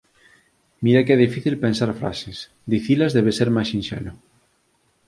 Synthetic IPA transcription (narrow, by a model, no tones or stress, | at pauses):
miɾakɛðifiθilpensaɾfɾa̰ses | d̪iθilazðɛβeseɾmasĩnʃɛ̰lo